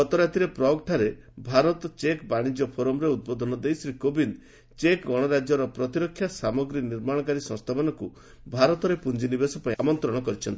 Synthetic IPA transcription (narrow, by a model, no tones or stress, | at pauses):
ɔt̪ɔɾat̪iɾepɾɔk̚ʈʰaɾe | bʱaɾɔt̪ɔt͡ʃekbaɽ̃id͡ʒɔpʰoɾɔmɾeud̪̚bod̪ʱɔnɔd̪ejsɾikobin | t͡ʃekɡɔɽ̃ɔɾad͡ʒjɔɾɔpɾɔt̪iɾɔkʰːjasamɔɡɾiniɾmaɽ̃ɔkaɾisɔ̃st̪ʰabɔnɔku | bʱaɾɔt̪ɔɾepund͡ʒinibesɔpaĩamɔnt̪ɾɔɽ̃ɔkɔɾit͡ʃʰɔnt̪i